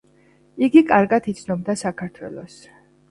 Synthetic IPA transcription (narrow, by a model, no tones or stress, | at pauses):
iɡikʼaɾɡat̪ʰit̪sʰnɔb̚d̪asakʰaɾt̪ʰwɛ̰lˠɔs